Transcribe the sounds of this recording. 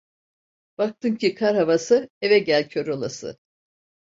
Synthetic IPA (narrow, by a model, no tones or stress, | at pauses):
b̥ak̚t̪ʰɯmcʰikʰaɾhavasɯevɛɟælʲcʰøɾolˠasɯ̰